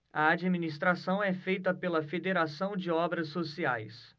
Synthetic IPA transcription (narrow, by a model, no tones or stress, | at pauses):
ɐad͡ʒiminist̪ɾasɐ̃w̃ɛfejt̪ɐpelɐfed̪eɾasɐ̃w̃d͡ʒɪɔbɾɐsːosia̰js